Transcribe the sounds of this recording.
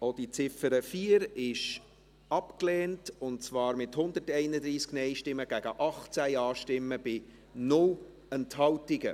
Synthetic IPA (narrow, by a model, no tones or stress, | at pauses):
od̥it͡sɪfəɾəfiːəɾɪʃ | ɑpklɛːntʊnt͡svɑːɾmɪthʊnd̪ətɛɪnəd̪ɾiːsknɛɪʃtɪmːəɡ̥æɡ̥əʔɑχt͡sæjɑːʃtɪmːəb̥ɪ | nʊl | ɛnthɑltɪɡə̰